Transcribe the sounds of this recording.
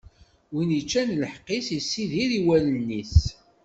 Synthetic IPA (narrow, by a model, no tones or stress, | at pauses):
winit͡ʃːænləħqːisisːiðiɾiwælənːis